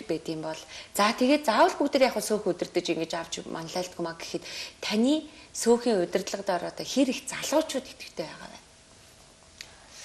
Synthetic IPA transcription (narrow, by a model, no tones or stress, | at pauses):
rpeːt̪ɡiːmpɔɮt͡sat̪ʰeɣeːt̪̚t͡sawə̆ɮpukt̪ĕrʲjaːχʊːsoːxɵt̪ɘ̆rt̪ɘ̆t͡ɕiŋɡet͡ɕaw̥t͡ɕmʔan̆ɮæːɬt̪ɡumaɡe̥xɘ̆t̪t̪ʰæniːsoːxiːŋɵt̪ʲɪ̆rt̪ɮə̆qt̪ɔɾɔːt̪aːxeɾixt͡saɮʊːt͡ɕʰʊːt̪e̥t̪ɡɘ̆kt̪ʰeːpæːʁa̰ːwæ̰ːn